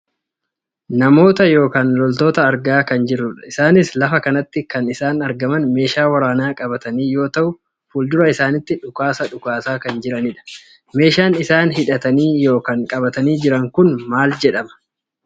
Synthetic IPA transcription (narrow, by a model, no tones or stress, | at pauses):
nɐmo̞ːt̪ɐjo̞ːkaːnlɔlt̪o̞ːt̪ɐːɾɡaːkɐnd͡ʒɪrːʊᶑɐɪsaːnɪslɐfɐkɐnɐt̪ːɪkɐnɪsaːnɐɾɡɐmɐnme̞ːʃaːwɐɾaːnaːkʼɐbɐt̪ɐniːjo̞ːt̪ɐʔʊ | fuːld̪ʊɾɐɪsaːnɪt̪ːɪᶑʊkaːsɐᶑʊkaːsaːkɐnd͡ʒɪɾɐnɪᶑɐ̥ | me̞ːʃaːnɪsaːnhɪᶑɐt̪ɐniːjo̞ːkɐŋkʼɐbɐt̪ɐniːd͡ʒɪɾɐŋkʊnmaːld͡ʒɛᶑɐmɐ̥